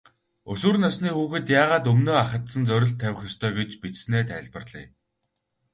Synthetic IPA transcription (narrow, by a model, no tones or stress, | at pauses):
ɵsŭːrnasniːxuːxɘ̆t̪jaːʁaːt̪̬ɵmnoːaχə̆t̪sə̆nt͡sœɾʲɪ̆ɬt̪ʰːæwʲɪ̆xjɔst̪ʰœːɡet͡ɕpit͡ssneːt̪ʰæɮpə̆rɮ̥ḭː